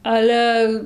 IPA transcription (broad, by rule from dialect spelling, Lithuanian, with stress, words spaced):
ˈɑːlʲɛ